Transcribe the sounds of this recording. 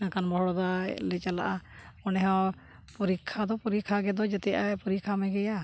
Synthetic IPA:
nakanbɔɦɽɔd̪aɛ̰lɛt͡ʃala̰ʔa | ɔnɛɦɔ̃ | puɾikʰːad̪ɔpuɾikʰːaɡɛd̪ɔd͡ʒɛt̪ɛjaɛpuɾikʰamɛɡɛja

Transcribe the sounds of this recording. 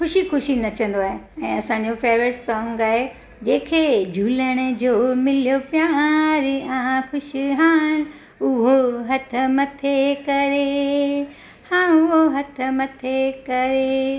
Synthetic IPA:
xʊʃixʊʃinɐt͡ɕʰə̃n̆d̪oaːɦeɛ̃ːɐsãːɲ̆d͡ʑofeːʋɾɪʈsɔːŋɡaːɦe | d͡ʑeːkʰed͡ʑʱuːləɽ̃ed͡ʑoːmɪlijopjaːɾɪãkʊʃiɦãːn | ʊɦoɦɐt̪ʰəmɐt̪ʰekɐɾe | hãːʊɦoɦɐt̪ʰə̆mɐt̪ʰekɐɾe

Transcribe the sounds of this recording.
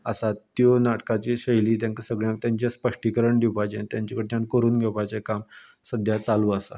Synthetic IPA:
əsat̪jonaʈkat͡ɕiɕəjliːt̪̬jãŋkasəɡɭjãt̪jaɲt͡ɕjaspəʂʈikəɾəɳd̪ipajt͡ɕent̪jaɲt͡ɕakəɽet̪jankəɾuːnɡʱɛpat͡sekam | səd̪ʱjat͡saluəsa̰

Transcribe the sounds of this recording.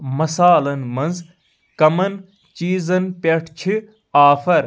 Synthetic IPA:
mɐsaːlɐnmɐnz | kɐmɐn | t͡ʃiːzɐnpʲɐʈʰt͡ʃʰi | aːfɐɾ

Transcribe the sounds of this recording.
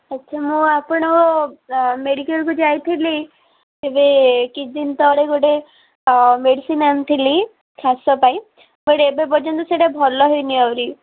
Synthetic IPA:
ətːʃʰamũapɔɽ̃ɔkɔ | meɽikelkud͡ʒajt̪ʰili | ebekid͡ʒint̪ɔɽeɡoɽe | meɖisinamt̪ʰili | kʰasɔpaj | boɽeːbebɔd͡ʒɔnt̪ɔseʈabʱɔlɔɦɔjniawɾi

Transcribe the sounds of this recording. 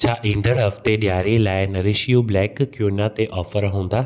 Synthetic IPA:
t͡ɕʰaːʔĩːn̆d̪əɽɦɐft̪eɗjaːɾelaːɪnɐɾɪʃijublɛːkːjuːnat̪eʔɔːfəɾɦũːn̆d̪aː

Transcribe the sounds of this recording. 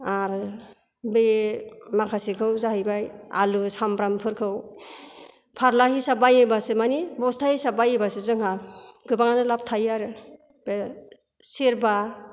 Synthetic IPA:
aɾ | bemakʰasikʰɯwzahɯjbajalusampɾampʰɯɾkʰɯw | pʰaɾlahisabajebasemanibɔstʰahisabajebasezɯŋhaɡɯbaŋanɯlap̚tʰajaɾɯ | b̥e | seɾba

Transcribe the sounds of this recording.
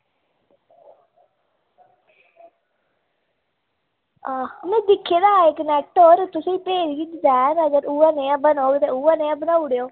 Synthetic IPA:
aːmɛ̃ːd̪ɪkʰːeːd̪aːɪknɛk̚ʈoːɾt̪ʊsĩːpeːɾiːd̪ɪd͡ʒ̪ɛːnəɡəɾuːaːneːãːbənoːɡt̪eːuːaneːãːbənaːuɽeːoː

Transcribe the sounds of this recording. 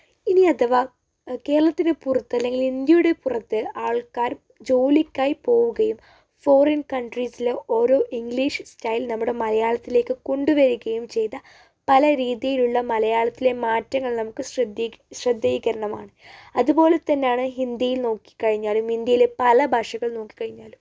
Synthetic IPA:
iniɐt̪ʰɐʋaː | ke̞ːɾɐɭɐt̪ːinɨpurɐt̪ːɨɐlːe̞ŋɡilind̪jɐjuɽe̞purɐt̪ːɨaːɭkaːɾ | d͡ʑo̞ːlikʲːaːjipo̞ːʋuɣɐjum | fo̞ːrɐnkɐɳɖrisileo̞ːɾo̞ːʔiŋɡɭiːʂstɐjlnɐmːuɽe̞mɐlɐjaːɭɐt̪ːile̞ːkːɨko̞ɳɖuʋɐɾiɣɐjumt͡ɕe̞jt̪ːɐ | pɐlɐɾiːðijiluɭːɐmɐlɐjaːɭɐt̪ːile̞maːtːɐŋːɐɭnɐmukːɨsrd̪ɕrɐd̪ːɐjiɣɐɾɐɳɐma̰ːɳɨɐðubo̞ːle̞t̪ɐnːejaːɳɨɦind̪ijilno̞ːkːi̥kːɐɻiɲːaːlumind̪jɐjilepɐlɐbʱɐʂɐɣɐɭno̞ːkːi̥kːɐɻiɲːaːlum

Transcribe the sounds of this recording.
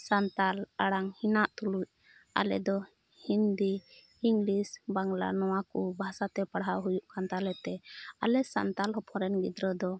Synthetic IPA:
sant̪alaɽaŋhinaʔt̪uluc̚ | a̰lɛ̰d̪ɔ | hind̪ihiŋlisbaŋla̰nɔwakubʱasat̪ɛpaɽɦaɦujuʔkant̪alɛt̪ɛa̰lɛsa̰nt̪alɦɔpʰɔɾɛnɡid̪ɾɔd̪ɔ

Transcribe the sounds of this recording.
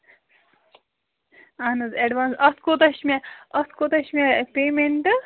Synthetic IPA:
anɨzeɖʋaːnsɐskot̪ɐʃmɛɐskot̪ɐʃmʲepeːmeɳʈɨ

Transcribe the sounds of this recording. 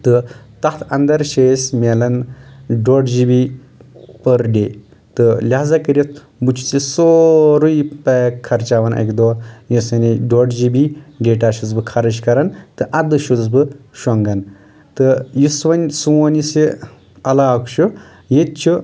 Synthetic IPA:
t̪ɨt̪ɐt̪ʰɐ̰nd̪ɐɾʃeːsʲmʲelɐnɖoːɖd͡ʒibi | pəɾɖʲe | t̪ɨlʲaɦzakɐɾɐt̪ | but͡ʃʰu̥t͡sisoɾujpekʰːɐɾt͡ʃaʋɐnʔɐ̰kd̪ojisɐniɖoːɖd͡ʒibiɡeʈaːʃut͡sbɨkʰɐɾɐʃkɐɾɐnt̪ɨʔɐd̪ɨʃut͡st͡sbɨʃɔŋɡɐn | t̪ɨjisʋɐnʲsuonisi | ɐlaːkʃu | jet̪̚t͡ʃʰu

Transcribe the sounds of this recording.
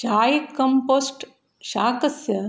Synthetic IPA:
d͡ʒaːjkɐmpoːsʈ | ʃaːkɐsjɐ

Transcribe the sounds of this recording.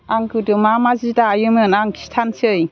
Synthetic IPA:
aŋkɯdɯmamazidaːjɯmɯnaŋkʰi̥stʰansɯj

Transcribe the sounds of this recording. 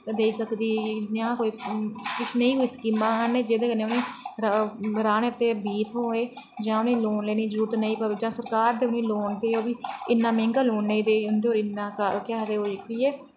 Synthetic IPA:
d̪eːisəkd̪iːnãːkoːiːkɪt͡ʃʰnəĩːɦoiːskiːmãːɦənẽːd͡ʒeːd̪eːkənːeːʊnẽː | ɾaːneːt̪ːeːbiːt̪ʰɦoːeː | d͡ʒãːʊnẽːloːnleːniːd͡ʒɾuːɾt̪nəĩːpəed͡ʒãːsəɾkaːɾd̪eːʊneĩːloːɳd̪eːoːbiːɪnːãːmẽːŋɡaːloːɳːeĩːd̪eːɦond̪eːoːɾɪnãːkkɪaːd̪eːɦoːɪk̪iːɛː

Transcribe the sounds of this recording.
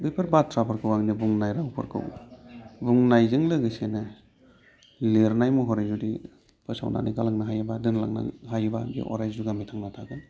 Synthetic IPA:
bepʰeɾbat̚tʰɾapʰaɾkʰɯwaŋnibuŋnajɾaŋpʰɯ̰ɾkʰɯ̰w | buŋnajzɯŋlɯɡɯsenɯ | leɾnajmuɦɔɾazudi | pʰɯsa̰wna̰nikalaŋnaɦajabadɯnla̰ŋna̰ɦajbaɡḭʔɔ̰ɾajzduɡamitʰaŋnatʰaɡɯn

